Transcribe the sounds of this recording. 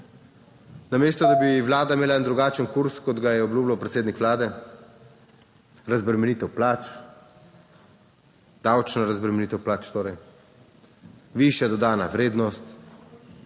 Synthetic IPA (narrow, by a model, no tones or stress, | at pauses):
nameːst̪ɔd̪abiʋlaːd̪aimeːlaɛnd̪ɾuɡaːt͡ʃənkuɾskɔd̪ɡajɛɔbluːblawpɾɛt̪seːd̪nikʋlaːd̪ɛ | ɾazbɾɛmɛnit̪ɛwplaːt͡ʃ | d̪̥awt͡ʃnaɾazbɾɛmɛniːt̪ɛwplaːt͡ʃt̪oːɾɛj | ʋiʃjad̪ɔd̪aːnaʋɾeːd̪nɔst̪